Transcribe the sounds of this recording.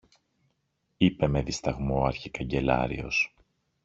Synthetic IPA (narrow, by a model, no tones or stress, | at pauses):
ipe̞me̞ðist̪ɐɣmoɐɾçikɐɲɟe̞lɐ̰ɾḭo̞̰s